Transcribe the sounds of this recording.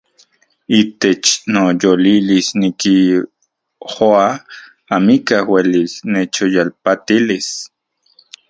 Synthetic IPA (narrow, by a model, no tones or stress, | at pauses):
it̪et͡ʃnojolilisniki | hoa | amikahwelisnet͡ʃojalpat̪ilis